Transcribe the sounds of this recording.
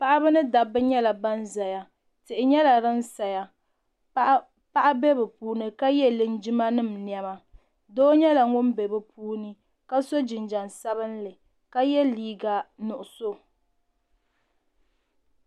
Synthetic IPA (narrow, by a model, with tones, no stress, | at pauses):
pa˦ʔa˦bɨ˦nɨ˦da˨bɨ˦ɲɛ˦la˨ba˦nza˨ja˨ | tɪ˨ʔɪ˨ɲɛ˦la˨ɾɨ˦n̩˦sa˨ja˨ | pa˦ʔa˦bɛ˦bɛ˨puː˦nɨ˦ka˦jɛ˦lɨ˨n˦d͡ʒɪ˦ma˦nɨ˦˨m̩˨njɛ˦ma˨ | doː˦ɲɛ˦la˨ŋʊ˦mbe˨bɨ˨pʰuː˦nɨ˦ | ka˦so˦d͡ʒɪ˨nd͡ʒa˨nsa˦βɨ˦n˦lɨ˨ | ka˦jɛ˦liː˦ɡa˦nʊ˨ʔʊ˨so˦